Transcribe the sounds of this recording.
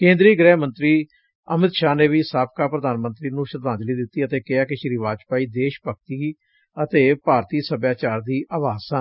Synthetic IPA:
kẽːnd̪ɾiːɡɾɛːmə̃nt̪ɾiː | əmɪt̪ʃaːneːʋiːsaːp̚kaːpɾəd̪aːnmənt̪ɾiːnũːʃəɾd̪ãːnd͡ʒliːd̪ɪt̪ːiːət̪eːkɪaːkɪʃɾiʋaːd͡ʒpaːiːd̪eːʃpəkt̪iː | ət̪eːpaːɾt̪iːsəbjaːt͡ʃaːɾd̪iːʔaːʋaːsãː

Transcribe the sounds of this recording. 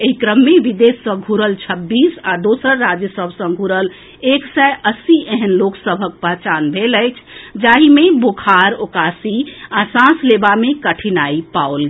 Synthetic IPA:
eɦikɾəmːeʋid̪esːə̃ɡʱuɾəlt͡ʃʰəbːisad̪osəɾːad͡ʒjəsəbʱsə̃ɡʱuɾəl | eksɛjʔəsiʔeɦənloksəbʱək̚pəɦt͡ʃanbʱeləjt͡ʃʰd͡ʒaɦimebokʰaɾokasiasãslebamekəʈʰinaipaolɡe

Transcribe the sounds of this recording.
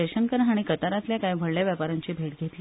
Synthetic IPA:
eɕəŋkəɾəɦaɽ̃ikət̪aɾat̪ljakajbʱəɭljaʋjapaɾaɲt͡ɕiːbʱeʈɡʱet̪li

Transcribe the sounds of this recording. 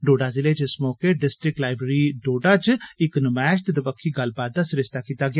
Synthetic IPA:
ɖoːɖaːzɪleːt͡ʃɪsmoːkeːɖɪsʈɾɪk̚ʈlaːɪbɾəːɾiːɖoːɖaːt͡ʃɪknmɛːʃt̪d̪əbəkʰːiːɡəlbaːt̪̚d̪aːsɪɾɪst̪aːkiːt̪aːɡɪaː

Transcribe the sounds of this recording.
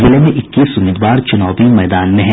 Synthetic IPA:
zilemẽʔɪkːisʊmiːd̪ʋaːɾt͡ʃɐnɔːbimɐːd̪aːnmẽɦɛ̃

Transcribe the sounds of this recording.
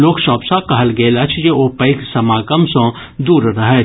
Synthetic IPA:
loːkʃɔːpsãkɐɦəlɡeːlɐt͡ʃʰd͡ʒeoːpɐɪksɐmaːkəmsõ | d̪uːɾɾɐɦe

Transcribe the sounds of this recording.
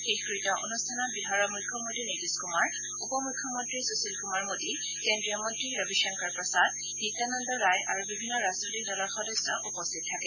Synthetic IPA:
xexkɹitɔʔo̰nustʰanɔbiɦaɹɔmujkʰːɔmontɹinediskumaɹ | upɔmukʰːɔmɔntɹisusilkumaɹmodi | kendɹijɔmɔntɹiɹɔbiʃaŋkaɹpɹɔsad | nitːanɔndɔɹajʔaɹubibʱinːɔɹaznotik̚dɔlɔɹxɔdɔsɔʔupɔstʰit̚tʰːakɛ

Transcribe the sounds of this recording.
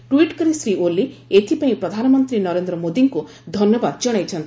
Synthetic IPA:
ʈwiʈkɔɾisɾioliet̪ʰipaĩpɾɔd̪ʱanɔmɔnt̪ɾinɔɾend̪ɾɔmod̪iŋku | d̪ʱɔnjɔbad̪d͡ʒɔɽ̃ajt͡ʃʰɔnt̪ʰ

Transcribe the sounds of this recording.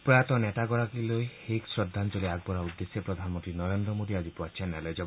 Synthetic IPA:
pɾɔjat̪ɔneʈaɡɔɾakilojheksɾɔd̪ʱːant͡ʃɔliaɡ̚bɔɾaud̪ːesjepɾɔd̪ʱanɔmɔnt̪ɾinɔɾend̪ɾɔmod̪iad͡ʒipɔat͡ʃʰanɛlɔjd͡ʒɔ

